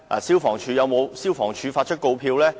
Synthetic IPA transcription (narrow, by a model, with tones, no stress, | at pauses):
a̰ː˨˩si˥wfɔː˨˩ŋt͡ʃʰyː˨˧jɐ˨˧wmo˨˧wsiː˥wfɔː˨˩ŋt͡ʃʰyː˨˧faː˧t̚t͡ʃʰɵ˥t̚ko˧wpʰiː˧wlɛː˥